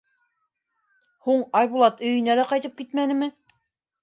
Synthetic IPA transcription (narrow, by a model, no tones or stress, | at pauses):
huɴɑjβulˠɑt̪ɵ̆jɘ̆nælæqɑjt̪ɤp̚kit̪mænɘ̆mɘ